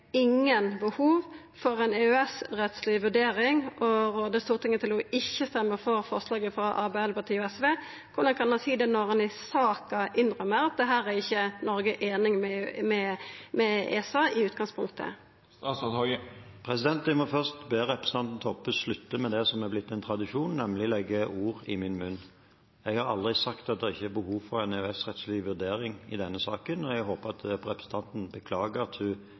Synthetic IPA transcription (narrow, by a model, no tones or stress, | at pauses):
ɪŋːənbəhuːʋ | fɔʁɛɪneːʉɛsʁɛt̪slɪʋʉɖeːɾɪŋʔɔʁoːd̪əst̪uːʁt̪ʰɪŋːət̪ʰɪlɔɪçːəst̪ɛmːəʁfɔɾfɔʁslɑːɡəfɾɑʔɑ̰ɾbɛɛləpɑt̪ʰiːɔɛsʋeː | kʰʊd̪ɑnkʰɑnɑsiːd̪ɛnɔʁɑnɪsɑːkɑʔɪnɾœmːəɾɑt̪̚d̪ɛɦæːʁæɪçːənɔɾɡəʔeːnɪŋmɛmɛmɛḛːsɑːɪʉːt̪̚ɡɑŋspʰʊŋ̚t̪ʰə̰ | pʰɾɛsɪd̪ɛnt̪d̪æmɔfœʁst̪beːʁɛpɾɛsəɑnt̪n̩t̪ʰɔpːʉlʉt̪ːəmɛd̪ɛsɔmɛblɪt̪ːɛɪnt̪ʰɾɑd̪ɪʃuːnːɛmlɪlɛɡːəʔuːʁɪmɪnmʉnː | ɛɡhɑɾɑld̪ʁɪsɑkt̪ɑt̪̚d̪ɛɪçːəɛɾbəhuːʋfɔɾɛnɛʉɛsʁɛt̪slɪʋʉd̪eːɾɪŋɪd̪ɛnːəsɑːkənɔɛɡɦoːpəʁɑt̪ʰɾɛpɾəsn̩t̪ʰɑnt̪n̩bəkʰlɑːɡəɑt̪hʉ